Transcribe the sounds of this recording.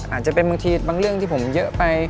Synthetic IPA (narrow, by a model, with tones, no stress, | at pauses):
ʔaː˨˩t͡ɕa˧˩pe˧nmɨ˧ŋt̪ʰi˧t̚ɓa˧ŋlɨ˧əŋt̪ʰi˧˩fo˨˩mzə̰ː˧˥pa˧j